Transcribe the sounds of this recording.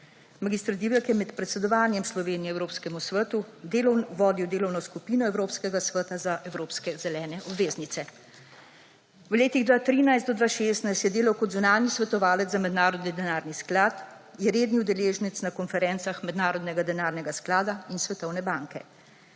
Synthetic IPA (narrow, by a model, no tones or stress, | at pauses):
maɡist̪ɾd̪iːwəkjɛmɛt̪pɾɛt̪sɛd̪ɔʋaːnjɛmslɔʋeːnijɛwɾoːpskɛmusʋət̪ud̪eʋɔːd̪iwd̪eːlɔwnɔskupiːnɔɛwɾoːpskɛɡasʋət̪azaʔɛwɾoːpskɛzɛlɛːnɛʔɔbʋeːznit̪sɛ | wleːt̪iɣd̪ʋaːt̪ɾiːnajst̪d̪ɔd̪ʋaːʃeːst̪najst̪jɛd̪eːlawkɔd̪zunaːnisʋɛt̪ɔʋaːlɛt̪zamɛd̪naːɾɔd̪nid̪ɛnaːɾnisklaːt̪ | jɛɾeːd̪niud̪ɛleːʒnit̪snakɔnfɛɾɛːnt̪saxmɛd̪naːɾɔd̪nɛɡad̪ɛnaːɾnɛɡasklaːd̪ainsʋɛt̪ɔwnɛbaːŋkɛ